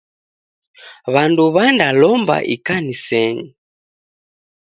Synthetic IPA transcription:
βanduβandalɔmba̰ʔikanisɛɲi

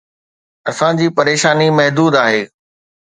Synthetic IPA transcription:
ɐsãd͡ʑiːpɐɾeːʃaːnimɐɦd̪uːd̪aːɦeː

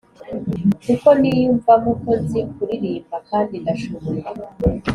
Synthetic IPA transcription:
kuko̞nijuːɱvamuko̞zikuɾiɾiːmbakaːndindaʃoβoɾa

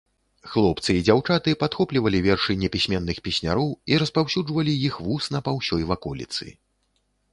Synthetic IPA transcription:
xlˠɔp̚t̪sɨid͡zʲawt͡ʂat̪ɨpat̪xɔplʲivɐlʲivʲɛrʂɨjnʲɛpʲisʲmʲɛnːɨxpʲisʲnʲa̰ɾɔwiɾɐspawsʲud͡ʐvɐlʲijixvusnɐpawsʲɔjvakɔlʲḭt̪sɨ̰

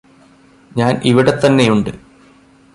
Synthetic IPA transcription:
ɲaːnʔiʋiɽe̞t̪ːɐnːe̞juɳɖɨ

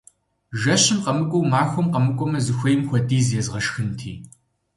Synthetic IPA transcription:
ʒɐʃɪmqɐmɨkʷʼɔwmaːxʷɔmqɐmɨkʷʼɔmɐzɨxʷɐjmxʷɔdʼiːzjɛzʁɐʃxɨntʰḭː

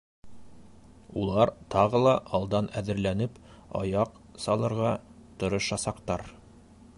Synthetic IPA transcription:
ulˠɑɾt̪ɑʁɤlˠɑʔɑlˠd̪ɑnæðɘ̆ɾlænɘp | ɑ̰jɑq | sɑlˠɤ̆ɾʁɑt̪ŏɾŏʃɑsɑqt̪ɑɾ

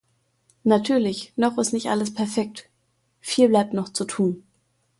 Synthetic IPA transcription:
natʰyːɐlɪçnɔχɪstnɪçtʔa̰ləspʰɛɐfɛk̚t | fiːlblaɪp̚tnɔχt͡sutʰuːn

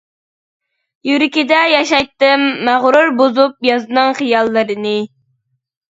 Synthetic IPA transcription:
jyɾɪkʲid̪ɛjɑʃɑjt̪ːɨmːæʁɾuɾbozup̚jɑzɨnɨŋχɨjɑlˠːɨɾɨnɨ

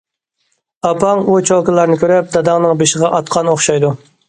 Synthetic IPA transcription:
ɑpʰɑŋut͡ʃʰolˠkəlˠɑɾnɪkʲøɾɛp̚d̪ɑd̪ɑŋnɨŋbeʃɪʁɑʔɑt̪qʰɑnoχʃɑjd̪u

